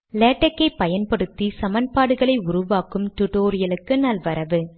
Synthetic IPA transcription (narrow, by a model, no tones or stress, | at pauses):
leːʈːɐkːɐɪpːɐjɐnpɐɽɯt̪ːisɐmɐnpaːɽɯɣɐɭɐɪʊɾʊʋaːkɯmt̪ʊʈoːɾɪjɐlɯkːɯnɐlʋɐɾɐʋɯ